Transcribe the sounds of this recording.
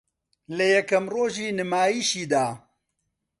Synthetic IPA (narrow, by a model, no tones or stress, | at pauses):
lɐjɐkɐmroːʒiːnɨmaːjiːʃiːd̪aː